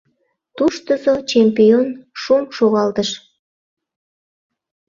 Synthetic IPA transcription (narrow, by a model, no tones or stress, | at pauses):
t̪uʃt̪əzot͡ɕempionʃumʃoɣɑlt̪əʃ